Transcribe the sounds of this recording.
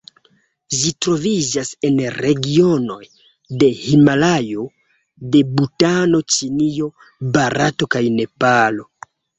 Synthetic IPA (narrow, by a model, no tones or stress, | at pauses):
ʒitɾo̞vid͡ʒase̞nɾe̞ɡio̞no̞j | de̞himalajo̞ | de̞butano̞t͡ʃinio̞ | baɾato̞kajne̞palo̞